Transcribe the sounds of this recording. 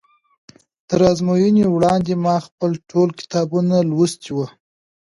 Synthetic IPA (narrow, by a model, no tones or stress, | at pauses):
t̪əɾɑzmojənewɽɑnd̪emɑxpəlʈʰolkɪ̥t̪ɑbunalwəst̪iwə